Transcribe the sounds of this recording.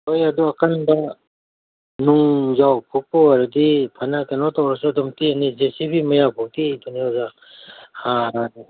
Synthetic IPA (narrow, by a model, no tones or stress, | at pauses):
hojɐd̪uɐkʰanbɐ | nuŋzawpʰuk̚pɔwaɾdipʰɐnakenɔtawɾasɯɐdɔmtianizesipʰimɐjapʰuk̚tijtuniɔza | ha